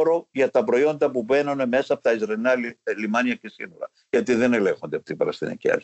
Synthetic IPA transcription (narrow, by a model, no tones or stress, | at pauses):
ɾo̞ʝɐt̪ɐpɾo̞io̞nd̪ɐpuve̞nɐne̞me̞sɐːpot̪ɐizɾɐlinɐlimɐniɐcesḭno̞ɾɐ̰ | ʝɐt̪iðe̞ne̞le̞ŋxond̪eɐpot̪imbɐɾɐ̰st̪ḭnḭcḭɐ̰ɾç